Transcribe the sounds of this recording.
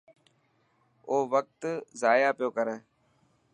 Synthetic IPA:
oːʋək̚t̪zaːjaːpɪjoːkəɾeː

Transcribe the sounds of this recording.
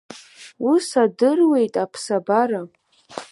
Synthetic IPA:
usadɨrwe̞jtʼapʰsabaɾa

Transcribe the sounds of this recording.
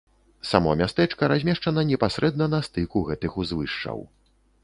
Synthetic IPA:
samɔmʲast̪ɛt͡ʂkɐɾazʲmʲɛʂt͡ʂɐnɐnʲɛpasɾɛd̪nɐnɐst̪ɨkuɣɛt̪ɨxuzvɨʂt͡ʂɐ̰w

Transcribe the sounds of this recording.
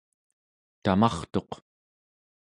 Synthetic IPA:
t̪amɑχt̪o̞q

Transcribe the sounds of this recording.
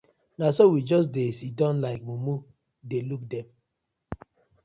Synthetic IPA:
nasowid͡ʒɔs̬desidɔ̃nlaɪk̚mumu | deluk̚dɛm

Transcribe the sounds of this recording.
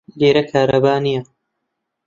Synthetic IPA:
d̪eːɾɐkʰaːɾɐbaːnijɐ

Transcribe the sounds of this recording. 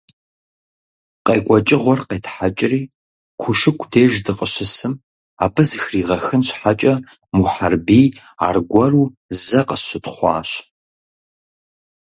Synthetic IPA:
qʼeːkʷʼɔt͡ʃʼɪʁʷɔrqeːtʰħat͡ʃʼɪriː | kʷʰʊʂɨkʷʰdeːʒdɨqʼəɕɪsɨm | aːbɨzɨxriːʁɐxɨnɕħat͡ʃʼɐ | muħarbiː | a̰ːrɡʷɔruː | zɐqəɕɪtχʷɑ̰ːɕ

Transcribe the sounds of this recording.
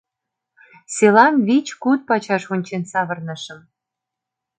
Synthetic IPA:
selɑnβit͡ɕkut̪̚pɑt͡ɕɑʃonʲt͡ɕensɑβɤ̆rnɤ̆ʃə̆m

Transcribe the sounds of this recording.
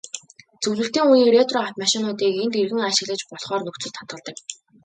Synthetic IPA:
t͡sɵwɮɘ̆ɬt̪iːŋuːniːret̪rɔaw̥t̪maʃɪnʊːt̪iːkent̪erɣɘ̆ŋaʃɪ̆ɣɮə̆t͡ɕpɔɮχɔːrnɵkt͡sɵ̆ɮt̪ʰːat̪ɢə̆ɮt̪ə̆k

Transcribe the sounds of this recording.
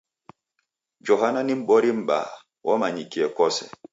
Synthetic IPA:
d͡ʒɔɦananim̩ɓɔɾim̩ɓa̰ | wʔɔmaɲikiɛkɔsɛ

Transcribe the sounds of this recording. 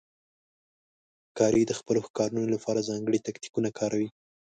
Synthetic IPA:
kɑɾid̪əxpəloxkɑɾunolapɑɾazɑŋɡəɽit̪akt̪i̥kunakʰɑɾawi

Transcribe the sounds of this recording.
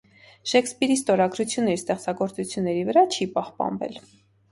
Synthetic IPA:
ʃɛkspiɾist̪ɔɾɑɡɾut͡sʰjunːɛɾist̪ɛχt͡sɑɡɔɾt͡sut͡sʰjunːɛɾivəɾɑt͡ʃʰipɑhpɑ̰nvɛ̰l

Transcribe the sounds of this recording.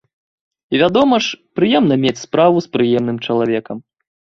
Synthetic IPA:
ivʲad̪ɔmɐʂpɾɨjɛmn̪ɐmʲet͡sʲspɾavuspɾɨjɛmnɨmt͡ʂɐlˠavʲɛkɐm

